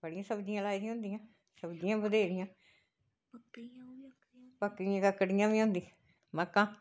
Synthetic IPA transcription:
bəɽɪjãːsəbd͡ʒɪjãːlaːid̪ĩãɦʊ̃nd̪ijãː | səbd͡ʒijãːbəd̪eːɾɪjãː | k | pəkːɪjãːkəkːəɽɪjãːʋiːɦõːnd̪ĩː | məkːãː

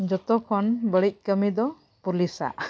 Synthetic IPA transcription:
d͡ʒɔt̪ɔkʰɔnbəɭic̚kəmid̪ɔ | pulisa̰ʔ

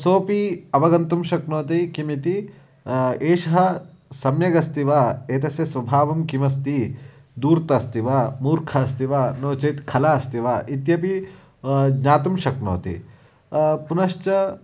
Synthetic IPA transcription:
soːpiɐʋɐɡɐnt̪umʃɐknoːt̪ikimit̪i | eːʃɐɦɐ | sɐmjɐɡɐst̪iʋaeːt̪ɐsjɐsʋɐbʱaːʋɐmkimɐs̬t̪i | d̪uːɾt̪ɐst̪iʋaːmuːɾkʰɐst̪iʋaːnoːt͡ʃeːt̪kʰɐlaːɐst̪iʋaʔit̪jɐpi | ɡɲaːt̪umʃɐkno̰ːt̪ḭ | punɐʃt͡ʃɐ

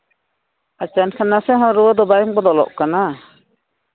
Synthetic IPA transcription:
at͡ʃankʰanasɛɦɔ̃ɾuwɔd̪ɔbajɔŋbɔd̪ɔlɔ̰ʔkana

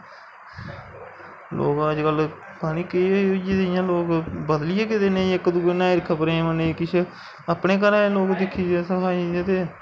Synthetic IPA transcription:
lʔo̰ːkəd͡ʒkəl | paːniːkəiːoːiːod͡ʒeːd̪eɪjãːloːkbəd̪lɪjaːkɪt̪eːnẽːɪkːd̪uːeːnãːiɾɪkʰːaːpəɾẽːmənekɪt͡ʃʰ | aːpneːkəɾãːloːkd̪ɪkʰːiːd͡ʒeːsəkʰaːiet̪eː

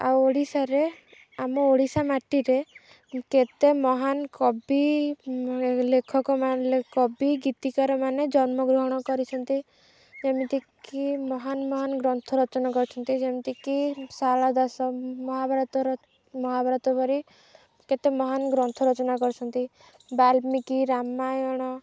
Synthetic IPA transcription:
a̰woɽisaɾe | amɔoɽisamaʈiɾe | ket̪emɔɦankɔbi | lekʰɔkɔmalekɔbiɡit̪ikaɾɔmaned͡ʒɔnmɔɡɾuɦɔɽ̃ɔkɔɾit͡ʃʰɔnt̪i | d͡ʒemit̪ikimɔɦanmɔɦanɡɾɔnt̪ʰɔɾɔt͡ʃɔnakɔɾt͡ʃʰɔnt̪id͡ʒemit̪ikisalad̪asɔmɔɦabʱaɾɔt̪ɔɾ | mɔɦabʱaɾɔt̪ɔbɔɾi | ket̪emɔɦanɡɾɔnt̪ʰɔɾɔt͡ʃɔnakɔɾt͡ʃʰɔnt̪i | balmikiɾamajɔɽ̃ɔ

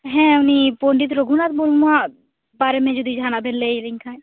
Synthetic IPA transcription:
ɦɛ̃ʊnipoːɳɖit̪ɾoɡʱunat̪̚molmũã | baːɾemẽd͡ʒud̪id͡ʒʱaːnabʱɛnleiɾɪŋkʰã

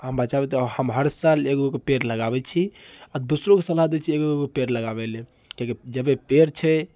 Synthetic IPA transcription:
ɦəmbat͡ʃabɛt̪həmɦəɾsalekokepeɾləɡabɛt͡ʃʰiad̪usɾokesə̃lad̪ɛt͡ʃʰiekookepeɾləɡabɛle | keked͡ʒəbepeɾt͡ʃʰɛ

